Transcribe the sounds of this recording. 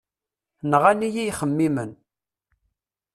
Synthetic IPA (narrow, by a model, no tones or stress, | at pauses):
nʁanijijχəmːimən